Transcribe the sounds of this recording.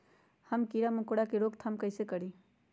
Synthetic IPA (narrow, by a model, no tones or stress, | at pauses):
həmkiɾamʊkoɽakeɾoːkt̪ʰamkəɪsekəɾi